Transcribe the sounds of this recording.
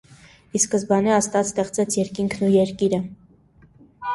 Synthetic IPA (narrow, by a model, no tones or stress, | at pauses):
iskəsbɑniɑst̪ɑt͡sst̪ɛχt͡sɛt͡sʰjɛɾkiŋkʰnujɛɾkiɾə